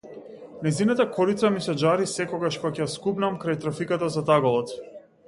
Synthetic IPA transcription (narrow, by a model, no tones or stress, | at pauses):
nɛjzinat̪akʰɔɾit̪samisɛd͡ʒaɾisɛkɔɡaʃpakjaskubnamkɾajt̪ɾafikat̪azat̪aɡɔlˠɔt̪